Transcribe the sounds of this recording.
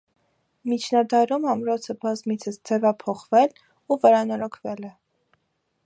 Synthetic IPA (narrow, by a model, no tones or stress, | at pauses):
mit͡ʃʰnɑd̪ɑɾumɑmɾɔt͡sʰəbɑzmit͡sʰəsd͡zɛvɑpʰɔχvɛl | uvəɾɑnɔɾɔkʰvɛlɛ